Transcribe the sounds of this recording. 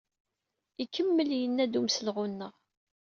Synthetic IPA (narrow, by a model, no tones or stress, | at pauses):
ikʰːəmːəljənːæd̪umsəlʁunːəʁ